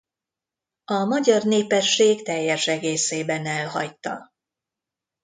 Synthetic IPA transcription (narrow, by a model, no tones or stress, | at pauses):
ɒmɒɟɒrneːpɛʃːeːɡt̪ɛjːɛʃɛɡeːseːbɛnɛlɦɒct̪ːɒ̰